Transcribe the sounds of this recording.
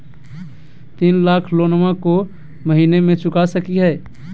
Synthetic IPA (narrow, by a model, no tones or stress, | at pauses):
t̪inlakʰlonmãko | məɦinemet͡ʃukasəkiɦɛ